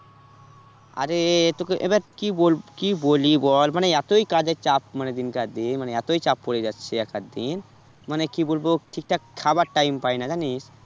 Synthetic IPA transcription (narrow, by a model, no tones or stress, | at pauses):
a̰ɾet̪okeʔḛbaɾkibolkibolibɔlmaneɛt̪ojkad͡ʑet͡ɕap̚maned̪inkaɾd̪inmaneɛt̪ojt͡ɕap̚koɽed͡ʑatːɕʰeɛkad̪in | manekibolboʈʰik̚ʈakʰabaɾʈajmpajnad͡ʑaniʃ